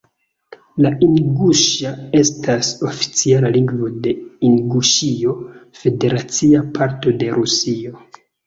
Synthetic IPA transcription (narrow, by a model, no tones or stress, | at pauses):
laiŋɡuʃae̞stʰaso̞fi̥t͡sialaliŋɡvo̞de̞iŋɡuʃio̞fe̞de̞ɾat͡siapʰaɾto̞de̞ɾʔusio̞